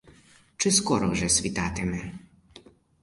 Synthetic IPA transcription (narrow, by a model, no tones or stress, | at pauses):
t͡ʂɘskɔɾɔʐɛsvʲit̪at̪ɛmɛ